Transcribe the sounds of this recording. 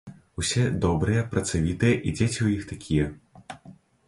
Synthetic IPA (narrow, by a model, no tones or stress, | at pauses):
usʲɛd̪ɔbɾɨjɛpɾɐt̪savʲit̪ɨjɛʔid͡zʲet͡sʲiujixt̪akʲʰijɛ